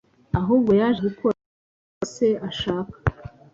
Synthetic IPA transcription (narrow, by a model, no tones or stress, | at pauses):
aɦuːb̚ɡo̞jaːʒeuko | se̞aʃaːkḁ